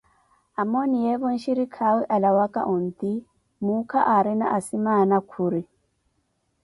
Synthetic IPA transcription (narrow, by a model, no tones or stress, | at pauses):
amɔnijɛβɔn̩ʃiɾikʰawiʔalawakʼa̰ʔɔnt̪i | mukʰaʔaɾina̰ʔasimanakʰuɾi